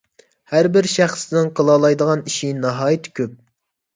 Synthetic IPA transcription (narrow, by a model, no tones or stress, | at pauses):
hæɾbɪɾʃæχsɪnɪŋqʰəlˠɑlˠɑjd̪əʁɑniʃinɑɦɑːjit̪ʰɪ̥kʲʰøp̚